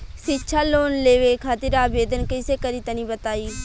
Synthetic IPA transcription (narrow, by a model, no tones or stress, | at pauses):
ʃɪtːʃʰaːloːnleːʋeːkʰaːt̪ɪɾaːbeːd̪ənkɪseːkəɾiːt̪ənĩːbət̪aːiː